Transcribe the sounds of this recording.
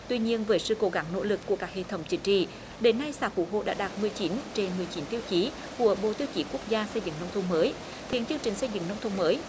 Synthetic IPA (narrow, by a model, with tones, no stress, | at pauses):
t̪wi˧ɲi˧ənvəː˨˦jsɨ̰˧ko˧˦ɣa˨˦ŋno̰˧˥lɨ˨˩kːu˧˩əkaː˦˥k̚hḛ˧˨t̪ʰə˨˦wŋ͡mt͡ɕï˨˦ŋ̟t͡ɕḭ˧˨ | ɗe˨˦nːa˧jsa̰ː˧˩fṵ˧˩ɦo̰˧˨ɗa̰ː˧˥ɗaː˨˩t̚mɨ˨˩əjt͡ɕi˨˦nt͡ɕe˧nmɨ˨˩əjt͡ɕi˨˦nt̪i˧əwt͡ɕi˨˦ | ku˧˩əɓo̰˧˨t̪i˧əwt͡ɕi˨˦ku˦˥ək̚zaː˧sə˧jzɨ̰˧˨ŋnə˧wŋ͡mt̪ʰə˧wŋ͡mməː˨˦j | t̪ʰi˧˩nt͡ɕɨ˧əŋt͡ɕï˨˩ŋ̟sə˧jzɨ̰˧˨ŋnə˧wŋ͡mt̪ʰwŋ͡mməː˨˦j